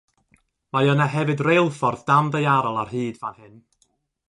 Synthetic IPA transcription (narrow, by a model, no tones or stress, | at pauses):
majɔnaɦɛvɨdrejlˠfɔrðd̥amðəjaɾɔlˠarɦiːdvanhɨn